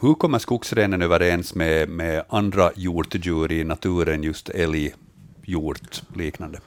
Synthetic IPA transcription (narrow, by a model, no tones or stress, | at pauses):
hɵkɔmːəʂkʊksɾeːnənøːvəɾɛnsmɛmɛand̪ɾajuːʈd͡ʒʉːɾɪnat̪ʰʉːɾənjɵst̪ʰɛlɪ | juːʈ̪liːknand̪ə